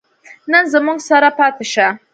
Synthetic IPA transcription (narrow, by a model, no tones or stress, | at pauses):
nɐnzamʊŋsaɾapatɨʃa